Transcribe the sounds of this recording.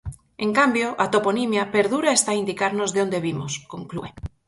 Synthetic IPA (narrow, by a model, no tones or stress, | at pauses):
eŋkambjoʔat̪oponimjapeɾðuɾaest̪aind̪ikaɾnozðeond̪eβimoskõŋklṵe